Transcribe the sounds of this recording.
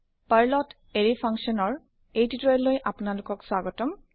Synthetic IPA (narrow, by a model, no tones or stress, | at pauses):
pajɹlɔt | eɹipʰaŋsɔnɔɹ | ejtitɹɔjlːojʔapʊnalʊkɔkswaɡɔtɔm